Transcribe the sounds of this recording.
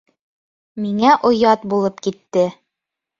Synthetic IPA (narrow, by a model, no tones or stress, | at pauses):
miŋæʔŏjɑt̪bulˠɤpkit̪ːɘ